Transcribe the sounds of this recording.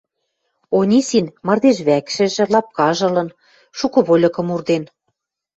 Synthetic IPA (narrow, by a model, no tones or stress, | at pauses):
onʲisinmɑ̆rd̪eʃβækʃɘ̆ʒɘ̆lɑp̚kɑʒɤ̆lɤ̆n | ʃukɤ̆βolʲɤ̆kɤ̆murd̪en